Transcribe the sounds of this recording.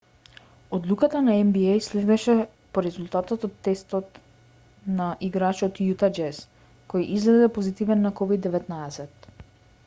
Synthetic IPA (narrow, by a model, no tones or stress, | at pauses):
od̪lˠukat̪anaɛmbiɛjslɛd̪ɛʃɛ | poɾɛzulˠt̪at̪ɔt̪ɔt̪ːɛst̪ɔt̪ | naʔiɡɾat͡ʃɔt̪jut̪ad͡ʒɛs | kɔjʔizlɛzɛpozit̪ivɛnːakɔvid̪ːɛvɛt̪naɛsɛt̪̚